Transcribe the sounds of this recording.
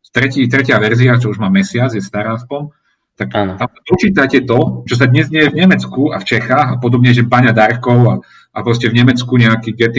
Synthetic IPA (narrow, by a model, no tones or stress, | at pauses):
t̪ɾɛciːt̪ɾɛcɪaʋɛɾziat͡ʃɔuʒmaːmɛsɪad͡zjɛst̪aɾaːaspɔm | t̪akt̪amsapɔt͡ʃiːt̪acɛt̪ɔt͡ʃɔs̬ad̪ɲɛzɲɛjɛvɲɛmɛt͡skua̰ft͡ʃɛxaːɣapɔd̪ɔbɲɛʒɛbaɲad̪aɾkɔʊa | ʔapɾɔscɛvɲɛmɛt͡skuɲɛakiːɡɛt̪i